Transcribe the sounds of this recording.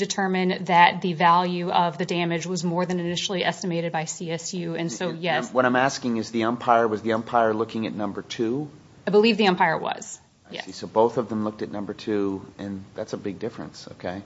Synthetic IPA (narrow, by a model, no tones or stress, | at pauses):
d̥ɨtʰɜ˞mɨ̃nðɨt̪̚ðɨvælˠjʉʌvðɨdæ̃mɨd͡ʒwʌzmɔɹðɨ̃nɨnɪʃl̩ˠiʔɛstɨmeɪɾɨd̚baɪsiɛsjʉɨ̃nsoʊjɛwʌɾãɪ̃mæskɪ̃ŋɨzðiɛ̃mpʰaɪə˞wʌzðiɛ̃mpʰaɪə˞lʊkɪ̃ŋɨ̰tⁿnʌ̃mbə˞tʰʉ | aɪbəlivðiɛ̃mpʰaɪə˞wʌ̰z̥ | ɪjsisoʊboʊθʌvðə̃mlʊk̚tɨtⁿnʌ̃mbə˞tʰʉʔɨ̃nðætsəbɪɡ̚dɪfɹɨ̰̃nso̰ʊkʰeɪ